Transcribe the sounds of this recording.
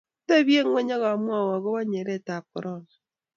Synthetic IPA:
te˦βje˦ŋwe˦ɲa˦ɣa˨mwa˦˨wa˨ɣo˦βa˦ɲe˨ɾɛ˦˨ta˨kɔ˨ɾʔɔ˦na˨

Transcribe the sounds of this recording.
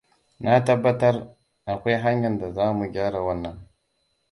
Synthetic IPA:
na˦ta˦bːa˦ta˦ɾ | a˨kʷa˦jɦa˦ɲja˨nda˨zaː˦mu˨ɡʲa˦ɾa˨wa˦nːa˦˨ŋ

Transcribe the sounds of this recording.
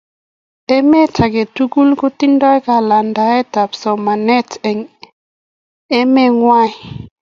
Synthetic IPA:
e˦me˦tʰa˨ɡe˨tu˦ɡu˦lko˦ti˦ndɔ˦jka˨la˨nda˨e˦ta˨psɔ˨ma˨nɛ˦tʰŋ | e˦me˦ŋwa˦j

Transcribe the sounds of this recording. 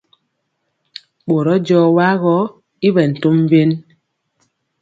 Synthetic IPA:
ɓo˨ɾɔ˦d͡ʒɔː˦˨wa˦ɣɔ˦ | i˦βɛ˨n̩˨to˦m˦ve˦n

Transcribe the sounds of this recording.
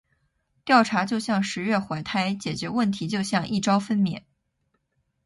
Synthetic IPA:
t̪jɑ˥˩ʊʈ͡ʂʰa˧˥t͡ɕjo˥˧ʊɕjɑ˥˩ŋʂɻ̩˧˥ɥɛ˥˩xwa˧˥˩ɪt̪ʰa˥˩ɪt͡ɕjɛ˨˩t͡ɕɥɛ˧˥wə˥˩nt̪ʰi˧˥t͡ɕjo˥˧ʊɕjɑ˥˧ŋʔi˥˩ʈ͡ʂɑ˥ʊfə˥nmjɛ̰˨˧˩n

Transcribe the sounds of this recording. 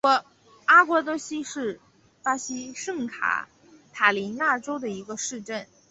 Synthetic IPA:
wɔ˧˥ | a˥kwɔ˧˥t̪ɤ˧˥ɕi˥ʂɻ̩˥˩ | pa˥ɕi˥ʂɤ˥˩ŋkʰa̰˨˩˥ | t̪ʰa˨˩li˧˥nja˥˩ʈ͡ʂo˥ʊd̪ə˨i˧˥ɡə˧ʂɻ̩˥˧ʈ͡ʂə˥˩n

